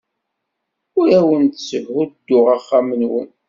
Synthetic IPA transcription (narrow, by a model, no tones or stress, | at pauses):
ʊɾæwənt̪səvʁud̪̥ːʊʁaχːamənwə̰n